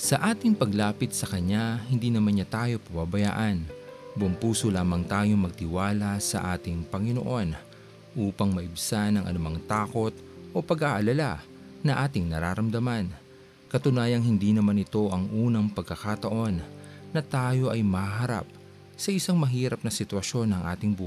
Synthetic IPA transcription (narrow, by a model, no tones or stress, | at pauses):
sɐʔaːt̪ɪŋpɐɡlaːpɪt̪̚sɐkɐɲahɪnd̪iːnɐmanɲat̪aːjo̞pɐbabɐja̰ːʔɐnbʊmpuːsolaːmɐŋt̪aːjo̞ŋmɐɡ̚t̪ɪwaːlɐsɐ̰ʔaːt̪ɪŋpɐŋɪno̰ʔo̞n | ʔuːpɐŋmɐʔɪbsanɐŋʔɐ̰nʊmaŋt̪aːko̞t̪̚ | ʔo̞pɐɡaʔɐlɐla | nɐʔaːt̪ɪŋnɐɾaːɾɐmd̪ɐman | kɐt̪ʊnaːjɐŋhɪnd̪inɐmanɪt̪o̞ʔɐŋʔuːnɐŋpɐɡ̚kɐkat̪ɐʔo̞nːɐt̪aːjo̞ʔɐjmɐhaɦɐɾa̰p̚ | sɐʔɪsaŋmɐɦiːɾɐp̚nɐsɪt̪wɐʃo̞nɐŋʔa̰ːt̪ɪŋbuː